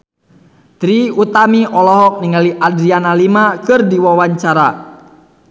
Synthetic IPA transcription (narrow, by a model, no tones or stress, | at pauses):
t̪ɾiut̪amiʔɔlɔɦɔk̚niŋaliʔadɾianalimakɨrdiwawaɲt͡ʃaɾa